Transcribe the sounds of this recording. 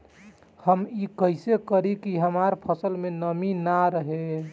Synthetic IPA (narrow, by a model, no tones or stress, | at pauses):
həmikəɪsekəɾikiɦəmaɾpʰəsəlmenəminaɾəɦe